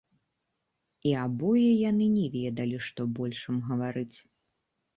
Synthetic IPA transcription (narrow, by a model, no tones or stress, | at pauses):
iabɔjɛjanɨnʲɛvʲɛd̪ɐlʲiʂt̪ɔbɔlʲʂɐmɣɐvaɾɨt͡sʲ